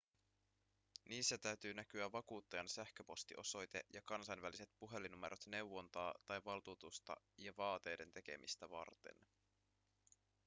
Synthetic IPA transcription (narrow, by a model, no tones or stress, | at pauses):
niːsːæt̪æɥt̪yːnækyæʋːɑkuːt̪ːɑjɑnsæhkø̞po̞st̪iʔo̞so̞jt̪e̞jɑkɑnsɑjnʋælise̞t̪̚puɦe̞linume̞̰ɾo̞t̪ne̞wwːo̞nt̪ɑːt̪ɑjʋɑlt̪uːt̪ust̪ɑ̰ | jɑʋɑːt̪e̞jde̞nt̪e̞k̟e̞̰mʔḭst̪æʋɑ̰rt̪e̞̰n